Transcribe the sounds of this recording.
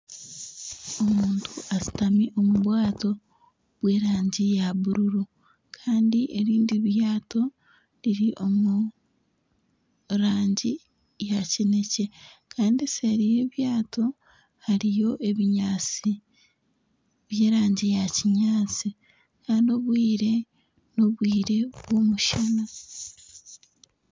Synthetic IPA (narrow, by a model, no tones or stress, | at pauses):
o̞muːntʰuazi̥tamiʔo̞muβwaːto̞ | βwe̞ːɾaːɲɟijaβuɾuɾu | kʰaːndiʔe̞ɾiːndiβjaːto̞ | ɾiɾiʔo̞mu | ɾaːɲɟi | jacinece̞kʰaːndiseɾije̞ːβjaːtʰo̞ | haɾijo̞ʔe̞βiɲaːt͡si | βje̞ːɾaːɲɟijaciɲaːt͡si | kʰaːndio̞βwiːɾe̞ | noβwiːɾe̞βwoːmuʃana